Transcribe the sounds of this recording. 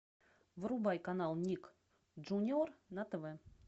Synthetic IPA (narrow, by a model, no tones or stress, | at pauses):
vɾubɑjkanɑlˠnʲik | ʐunʲornat̪əvɛ